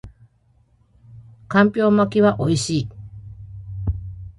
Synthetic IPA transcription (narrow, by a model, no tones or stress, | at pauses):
kãmpʲo̞ːmakʲiβaʔo̞iɕiː